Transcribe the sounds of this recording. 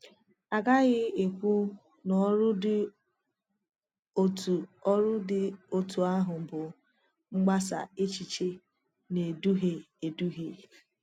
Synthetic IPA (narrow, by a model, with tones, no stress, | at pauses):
a˨ɡa˦ɣɪ˦e˨kʷu˦ | n˨ɔ˦ɾʊ˦dɪ˦ | o˦tu˨ɔ˦ɾʊ˦dɪ˦o˦tʰu˨a˦ɦʊ˨m̩˨bʊ˨ | ŋ͡m̩˦ɡ͡ba˦sa̰˨e˦t͡ʃi˨t͡ʃe˦ | ne˨du˦ɦe˨ | e˨du˦ɦe˨